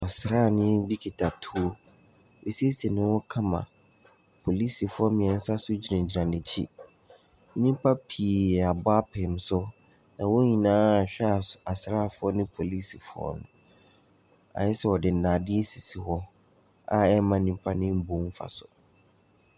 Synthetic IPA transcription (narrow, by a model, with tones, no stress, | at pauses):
ɔ˨sɾaː˦˨nɪ̃˦bi˦kʰi˨tʰa˨tʰu˦o˦ | wʔe˨si˦e˦se˨nɪ̃˦wɔ˦kʰã˦mã̰˨ | pʰo˨li˦si˨fʊ˦ɔ˦mɪ̃˨ɛ̃˨n̩˦sa˦sʊ˦d͡ʑi˨ã˨d͡ʑi˨ɾã˨nɪ̃˨t͡ɕʰḭ˦ | nĩ˦m˦pʰa˦pʰiː˨a˨bʊ˦a˦pʰɪ˨m˦sʊ˦ | nã˨wo˦ɲĩ˨nãː˦˨ɕᶣɛ˦a˨a˨sɾaː˦˨fʊ˦ɔ˦nɪ̃˦pʰo˨li˦si˨fʊ˦ɔ̰˦nʊ̰̃˨ | a̰˨jɛ˦sɛ˨wɔ˨dɪ˨n̩˨nã˨dɪ˦e˦si˨si˨hɔ˦ | a̰˨ɛ˦mã˦nĩ˦m˦pʰa˦nɪ̃˦m̩˦bõ˨˦m̩˦fa̰˨sʊ˨